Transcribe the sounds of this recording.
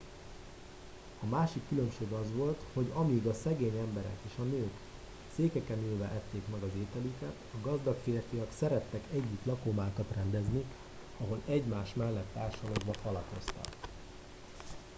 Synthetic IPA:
ɒmaːʃikːylømʃeːɡɒzʋo̞lt̪ho̞ɟɒmiɡɒsɛɡeːɲɛmbɛɾɛ̰keːʃɒnøːk | seːkɛkɛneːlvɛʔɛt̪ːeːkmɛɡɒzeːt̪ɛlykɛt̪ɒɡɒzd̪ɒkfeːrfiɒksɛɾɛt̪ːɛkɛɟːit̪lɒkomaːkɒt̪rɛnd̪ɛzni | ɒɦo̞lɛɟmaːʃmɛlːɛt̪ːaːrʃɒloːɡbɒfɒlɒko̞st̪ɒ̰k

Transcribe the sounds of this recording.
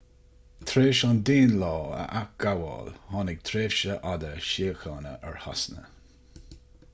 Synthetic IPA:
t̪ʰɾeːʃɑnd̪eːnlɑːə̰ʔak̚ɡ̥awɑ̰lhɑːnɪɡ̚t̪ʰɾeːvʃəʔad̪əʃiəxɑːnə̰ʔɛɹha̰snə̰

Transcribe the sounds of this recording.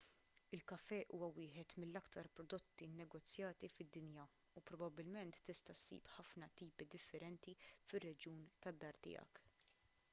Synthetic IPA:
ɪlkɐfɛʔuːwɐwɪːħɛt̪mɪlːɐkt̪ɐɾpɾɔd̪ɔt̪ːinːɛɡɔt͡sːjɐːt̪ifɪd̪ːɪnjɐ | upɾɔbɐbːɪlmɛnt̪ːɪst̪ɐsːḭːpħɐfnɐt̪iːpid̪ɪfːɛɾɛnt̪ifɪrːɛd͡ʒjuːnt̪ɐd̪ːɐɾt̪ɪ̰ːjɐ̰k

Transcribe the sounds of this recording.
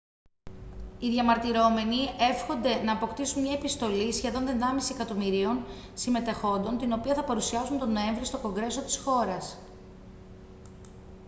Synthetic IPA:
iðʝɐmɐɾt̪iɾo̞me̞nie̞fxo̞nd̪e̞nɐːpo̞kt̪isunmɲɐepist̪o̞lisçe̞ðo̞nðe̞nd̪ɐmisie̞kɐt̪o̞miɾio̞n | sime̞t̪e̞xo̞nd̪o̞nt̪ino̞piɐθɐpɐɾusiɐsunt̪o̞no̞e̞ɱvɾist̪o̞ko̞ŋɡɾe̞so̞t̪i̥sxo̞ɾɐs

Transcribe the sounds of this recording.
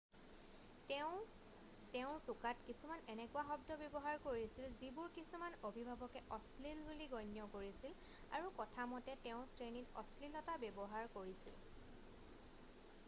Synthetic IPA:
tɛʊ̃ | tɛʊ̃tʊkatkisumanɛnɛkʊaxɔbdɔbjɔbɔɦaɹkoɹisilzibʊɹkisumanobʱibʱabɔkɛʔɔslilbuliɡɔjnjɔkoɹisil | a̰ɹukɔtʰamɔtɛtɛʊ̃sɹenitɔ̰slilɔtabebɔɦaɹkoɹisḭl

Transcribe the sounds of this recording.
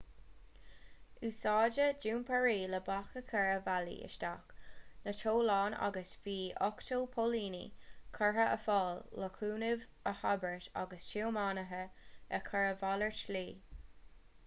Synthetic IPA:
uːsɑːd͡ʒəd͡ʒuːmpʰaɹiːləbakəkʰɛɹəvalḭə̰ʃta̰knətʰoːlɑːna̰ɡəsviːʔɔktʰoːpʰoliːnḭkʰəɹəʔəfɑːlːəkʰuːnɪv | əhabəɹta̰ɡəst͡ʃʰiəmaːnəɦəɛkʰəɹəvaləɹt͡ʃliː

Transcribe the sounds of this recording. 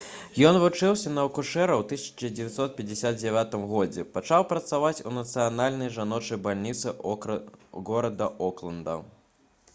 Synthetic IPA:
jɔnvut͡ʂɨwsʲɐnɐwkuʂɛɾɐwt̪ɨsʲɐ̥t͡ʂɐd͡zʲɪvʲat̪sɔt̪̚pʲɛd͡zʲɪsʲad̪̚d͡zʲavʲat̪ɨmɣɔd͡zʲɛpat͡ʂawpɾɐt̪savat͡sʲṵnɐt̪sɨjanalʲnɐjʐanɔt͡ʂɐjbalʲnʲit̪sɨ | ɣɔɾɐd̪ɐʔɔklˠɐnd̪ɐ̰

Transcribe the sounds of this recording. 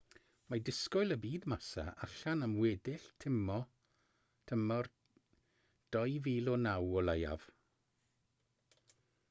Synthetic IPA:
madɪskɔjlˠəbiːdmasa̰ʔaɬanamwɛːdɪɬtʰɪmɔ | tʰəmɔr | d̥ɔjviːlˠɔnawɔlaja̰v̥

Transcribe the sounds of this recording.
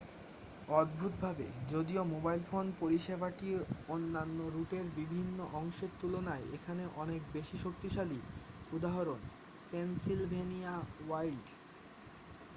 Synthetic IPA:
ɔd̪̚bʱut̪̚bʱabḛd͡ʑod̪iomobajlfonpoɾiʃebaʈionːanːoɾuʈeɾbibʱinːoʔɔŋʃeɾt̪ulonaeekʰaneʔɔnekbeʃiʃok̚t̪iʃaliud̪aɦaɾon | pensilbʱeniawajlɖ

